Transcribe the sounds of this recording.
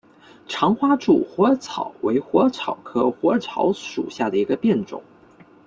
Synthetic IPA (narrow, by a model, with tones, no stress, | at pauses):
ʈ͡ʂʰɑ˧˥ŋxwa˥ʈ͡ʂu˥˩xwɔ˧˥t͡sʰɑ˨˩ʊwe˧˥ɪxwɔ˧˥t͡sʰɑ˨˩ʊkʰɤ˥xwɔ˧˥t͡sʰɑ˧˥ʊʂṵ˨˩ɕja˥˩d̪ə˩i˧˥ɡə˧pjɛ˥˩nʈ͡ʂʊ̰˨˩˦ŋ